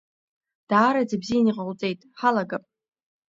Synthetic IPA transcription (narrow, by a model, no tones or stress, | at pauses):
d̥aːɾad͡zabzijaniqʼawt͡sʼe̞jtʼħalaɡapʼ